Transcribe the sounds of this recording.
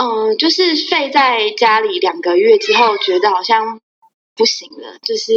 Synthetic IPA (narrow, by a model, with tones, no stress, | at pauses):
ʔə˨˩t͡ɕjo˥˧ʊʂɻ̩˥˧fe˥˧ɪt͡sa˥˩ɪt͡ɕja˥li˨˩ljɑ˨˩ŋɡə˩ɥɛ˥˩ʈ͡ʂɻ̩˥xo˥˩ʊt͡ɕɥɛ˧˥d̪ə˧xɑ˨˩ʊɕjɑ˥˧ŋ | pu˥˩ɕi˧˦ŋlə̰˧t͡ɕjo˥˧ʊʂɻ̩˥˩